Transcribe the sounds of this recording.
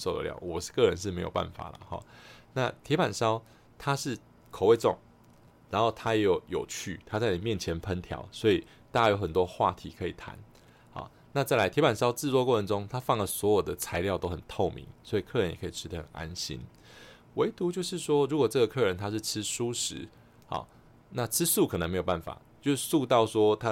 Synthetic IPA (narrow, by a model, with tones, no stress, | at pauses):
so˥˨ʊd̪ə̰˨ljɑ̰˥˨˩ʊwɔ˨˩˥kɤ˥˩ɻə˧˦nʂ̬ɻ̩˥˩me˧˥ɪjo˨˩pa̰˥˨nfa̰˨˩lə̰˩xɑ̰˨˩na̰˥˧t̪ʰjɛ˧˥pa˨˩nʂɑ˥ʊ | t̪ʰa˦ʂɻ̩˥˩ | kʰo˨˩ʊwe˥˧ɪt͡sɔ˥˨˩ŋ | ɻa˧˥nhxo˥˩t̪ʰa˥jɛ˧˥jo˨˩ʊjo˨˩ʊt͡ɕʰy̰˥˩t̪ʰa˥˦t͡sa˥˩ɪni˨˩mjɛ˥˨nt͡ɕʰjɛ˨˧˥npʰə˦nt̪ʰjɑ̰˧˥ʊswɔ˧˥i˨˩ | t̪a˥˩t͡ɕa˥jo˧˥ʊxə˨˩nt̪wɔ˦xwa̰˥˩t̪ʰi˧˥kʰɤ˧˥ḭ˨˩t̪ʰa̰˧˦n | hɑ̰˨˩ | na˥˧t͡sa˥˩ɪla˧ɪt̪ʰjɛ˥pa˨˩nʂɑ˥ʊt͡sɹ̩˥˧t͡swɔ˥˧kwɔ˥˩ə˧˦nʈ͡ʂʊ˥ŋt̪ʰa˥˦fɑ˥˩ŋlə˩swɔ˧˥jo˨˩d̪ə˦t͡sʰa˧˥ɪljɑ˥˧ʊt̪o˥ʊxə˨˩nt̪ʰo˥˩ʊmḭ˧˦ŋswɔ˧˥i˨˩kʰɤ˥˧˨ɻə˧˦jɛ˨˩kʰi˨˩ʈ͡ʂ̩ʰ˥t̪ʰa˥˧ə̰˨˩na̰˦nɕḭ˦n | we˧˥ɪt̪u˧˦t͡ɕjo˥˧ʊʂɻ̩˥˩ʂwɔ˥ɻu˧˥kwɔ˨˩ʈ͡ʂɤ˥˩ɡə˩kʰɤ˥˩ɻə˧˦nt̪ʰa˥ʂɻ̩˥˩ʈ͡ʂ̩ʰ˥ʂu˦ʂɻ̩˧˦ | hɑ̰˨˩ | na˥˧ʈ͡ʂʰɻ̩˥su˥˩kʰə˨˩ə˧˦ŋme˧˥o˨˩ba˥˩nfa̰˨˩t͡ɕjo˥˧ʊʂ̩˥˧su˥˧t̪ɑ˥˩ʊʂwɔ˥t̪ʰa˦